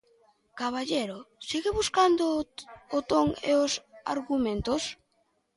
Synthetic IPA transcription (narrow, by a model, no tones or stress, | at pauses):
kaβaʎeɾosiɣɪβuskand̪oːt̪oŋḛosa̰ɾɣumẽnt̪os